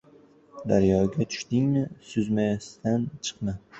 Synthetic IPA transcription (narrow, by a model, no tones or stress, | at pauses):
d̪aɾjɒɡʲat̪ʰʊ̥ʃt̪ɪŋnɪsʊzmajast̪ant͡ʃʰɨ̥qna